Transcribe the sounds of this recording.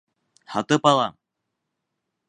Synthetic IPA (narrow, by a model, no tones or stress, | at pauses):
hɑt̪ɤpɑlˠɑ